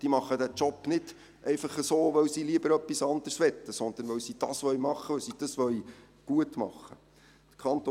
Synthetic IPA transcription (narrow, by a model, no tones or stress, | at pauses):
d̥iːmɑχːədæt͡ʃɔpːnɪd̥ | ʔɛɪfɑχəsoːʋœwsiːliəbəɾœpːisɑnd̪əɾsʋɛt̪ːəsɔnd̪̥ənʋœwsiːd̥ɑ̰sʋœɥmɑχːəʋœwsiːd̥ɑsʋœɥ | ɡ̥uətmɑ̰χːə | d̪̥ə̥kʰɑnt̪o